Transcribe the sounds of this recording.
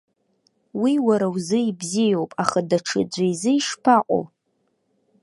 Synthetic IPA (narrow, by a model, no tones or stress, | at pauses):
wiwaɾawzɨibzijowpʼaχadaʈ͡ʂʰɨ̰d͡ʒʷajzɨiʂpʰaqʷʼo̰w